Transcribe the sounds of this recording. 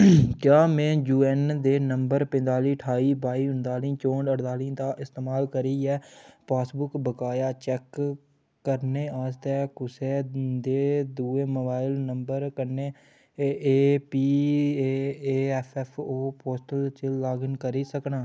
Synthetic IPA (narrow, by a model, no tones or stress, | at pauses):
kjãːmɛ̃ːjuːɛnd̪eːnəmbəɾpɪ̃nd̪aːliːʈʰaːiːbaːiːʊnd̪aːlĩːt͡ʃoːɳɖəɽd̪aːlĩːt̪ãːʔɪst̪eːmaːlkəɾiːɛːpaːsbʊkbəkaːjaːt͡ʃɛːkː | əɾneːaːst̪ɛːkʊseːd̪eːd̪uːeːməbaːɪlnəmbəɾkəɾneː | eːpiː | eːɛpʰɛːpʰoːpoːsʈəlt͡ʃeːaːɡənkəɾiːsəknaː